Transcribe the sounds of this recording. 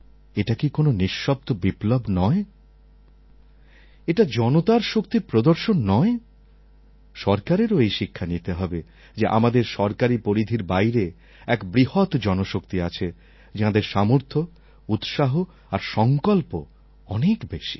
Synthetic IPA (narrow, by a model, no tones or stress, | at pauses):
eʈakikononiʃːɔb̚t̪obiplobnɔe | eʈad͡ʑɔnot̪aɾʃokt̪iɾpɾod̪oɾʃonːɔe | ʃɔɾkaɾeɾoejʃikʰːanit̪eɦɔbe | d͡ʑeʔa̰mad̪eɾʃɔɾkaɾipoɾid̪ʱiɾbajɾe | ɛkbɾiɦot̪d͡ʑɔnoʃokt̪iat͡ɕʰe | d͡ʑad̪eɾʃamoɾt̪ʰo | ut̪ʃaɦo | aɾʃɔŋkolpo | ɔnekbeʃi̥